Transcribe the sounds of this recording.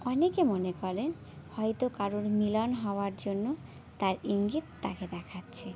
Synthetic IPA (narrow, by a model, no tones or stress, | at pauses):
ɔnekemonekɔɾen | hɔjt̪okaɾoɾmilɔnɦɔoaɾd͡ʑonːo | t̪aɾiŋɡit̪ːaked̪ɛkʰatːɕʰe